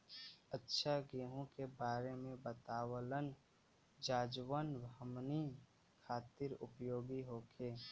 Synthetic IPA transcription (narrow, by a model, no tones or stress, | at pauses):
ətːʃʰaɡeːɦõkebaːɾemẽbət̪aːwələn | d͡ʒaːd͡ʒwənbʱəmni | kʰaːt̪ɪɾʊpjoːɡiɦoːkʰeː